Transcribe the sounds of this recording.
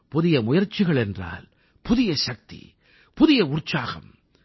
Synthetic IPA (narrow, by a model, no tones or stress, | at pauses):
pʊðɪjɐmʊjɐɾt͡ʃːɪɣɐɭɛndra̰ːl | pʊðɪjɐʃɐk̚t̪ḭ | pʊðɪjɐʊrt͡ʃaːɣɐ̰m